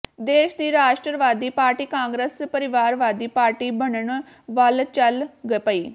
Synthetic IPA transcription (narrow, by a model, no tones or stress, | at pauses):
d̪eːʃd̪iːɾaːʃʈɾəʋaːd̪iːpaːɾʈiːkãːŋɡɾəspəɾɪʋaːɾʋaːd̪iːpaːɾʈiːbənəɳ | ʋəlt͡ʃəlɡəpəiː